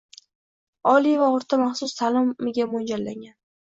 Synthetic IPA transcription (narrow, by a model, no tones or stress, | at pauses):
ɒlivaʊɾt̪ʰamaχsʊst̪ʰalɪmːɪɡʲamond͡ʒalːa̰ŋɡʲan